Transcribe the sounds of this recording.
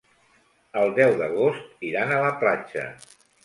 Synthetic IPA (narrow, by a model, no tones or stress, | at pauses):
əlˠd̪ɛwðəɣ̞ost̪iɾanələplat͡ʃə̰